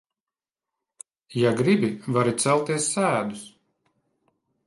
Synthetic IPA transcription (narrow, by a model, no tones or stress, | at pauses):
jaɡɾibivaɾit̪sɛlˠt̪iɛsːæːd̪us